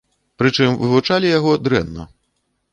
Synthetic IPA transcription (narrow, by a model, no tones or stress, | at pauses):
pɾɨt͡ʂɨmvɨ̰vut͡ʂalʲijaɣɔd̪ɾɛ̰nːɐ̰